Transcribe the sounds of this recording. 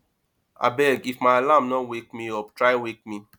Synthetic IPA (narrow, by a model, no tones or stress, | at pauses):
a̰bɛɡifmaɪlãmnɔnwek̚miɔptɾaɪwek̚mi